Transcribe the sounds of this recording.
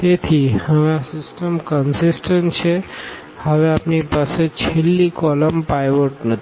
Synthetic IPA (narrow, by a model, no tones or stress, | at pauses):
t̪et̪ʰihəʋẽasɪsʈəmkənsɪsʈənʈt͡ʃʰe | həʋeapnipaset͡ʃʰelːikɔləmpajʋoʈnət̪i